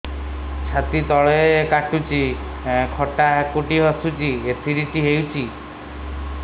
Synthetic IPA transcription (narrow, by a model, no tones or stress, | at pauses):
t͡ʃʰat̪it̪ɔɭeekaʈut͡ʃi | kʰɔʈakuʈiɦɔsut͡ʃiesʰiɾiʈiɦewt͡ʃʰi